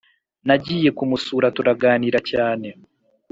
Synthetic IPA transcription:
naɟiːje̞kumusuːɾatuɾaɡaːniːɾacaːne̞

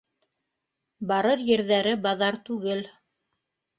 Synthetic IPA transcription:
bɑɾɤɾjɘ̆ɾðæɾɘbɑðɑɾt̪ʉɡɘl

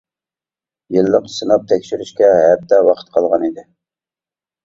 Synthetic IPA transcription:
jɨlːəqsɨnɑp̚t̪ʰɛkʲʃiɾyʃkʲɛɦɛd̪ːɛwɑqʰə̥t̪̚qʰɑlˠʁɑnid̪ɪ

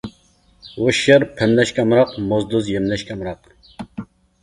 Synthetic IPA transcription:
woʃɪɾpʰɪmlɛʃkʲʰɛmɾɑqmozd̪ʊzjemnɛʃkʲʰɛmɾɑq

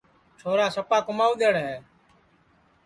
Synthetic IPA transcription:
t͡ʃʰoːɾaːsəpaːkʊmaːuːɗ̪eːɽɦeː

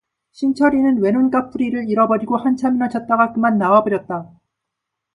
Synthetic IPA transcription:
ɕʰint͡ɕʰʌɾinɯnwe̞nonk͈apʰuɾiɾɯɭiɾʌbʌɾiɡohant͡ɕʰaminʌt͡ɕʰʌt̚t͈aɡakɯmanːawabʌɾjʌt̚t͈a

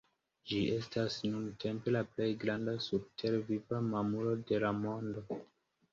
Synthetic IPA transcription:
d͡ʒiʔe̞stasnuntʰe̞mpe̞laple̞jɡɾandasub̚tʰe̞ɾvivamamulo̞de̞lamo̞ndo̞

